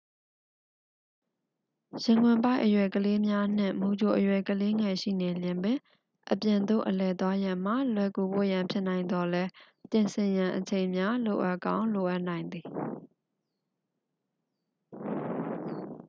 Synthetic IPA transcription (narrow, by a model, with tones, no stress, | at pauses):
jɪ̃˨ŋwɪ̃˨mpa˦ɪʔəjwɛ˨kəle˦mja˦n̥ɪ̰̃˦˨mu˨d͡ʑo˨ʔəjwɛ˨kəle˦ŋɛ˨ʃḭ˦˨nẽ˨ljɪ̃˨mbɪ̃˨ | ʔəpjɪ̃˨nd̪o̰˦˨ʔəlɛ˨t̪wa˦jã˨m̥a˨lwɛ˨ku˨bo̰˦˨jã˨mpʰjɪ˦ʔnã˨ɪ̃nd̪ɔ˨lɛ˦ | pjɪ̃˨nsʰɪ̃˨jã˨ʔət͡ɕʰẽ˨ɪ̃mja˦lo˨ʔa˦ʔkã˦ʊ̃lo˨ʔa˦ʔnã˨ɪ̃nd̪ði˨